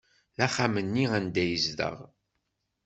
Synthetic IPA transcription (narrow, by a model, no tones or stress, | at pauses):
ðæχamənːiænd̪æjəzðə̰ʁ